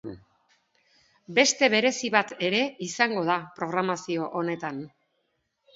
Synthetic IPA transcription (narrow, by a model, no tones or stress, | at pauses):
be̞st̪e̞β̞e̞ɾe̞siβat̪e̞ɾe̞isaŋɡo̞ðapɾo̞ɣ̞ɾamasio̞ʔone̞t̪an